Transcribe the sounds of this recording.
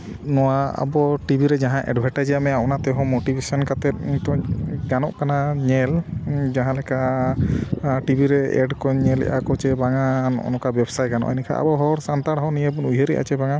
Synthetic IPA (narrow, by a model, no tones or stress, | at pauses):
nɔwaa̰bɔʈibʱiɾɛd͡ʒaɦãʔɛ̰ɖbʱaʈajd͡ʒamɛapɔnat̪ɛɦɔ̃moʈibesɔnkat̪ɛt̪̚t̪ɔɡanɔʔkanaɲɛld͡ʒaɦãlɛka | ʈibʱiɾɛɛ̰ɖkɔɲɛlɛ̰ʔa̰kɔt͡ʃɛbaŋanɔ̰nɔkabɛbsaj̚ɡanɔ̰ʔɛ̰nɛkʰa̰ʔa̰bɔɦɔɾsant̪aɽɦɔnijebunuɦeɾɛ̰ʔa̰t͡ʃɛbaŋa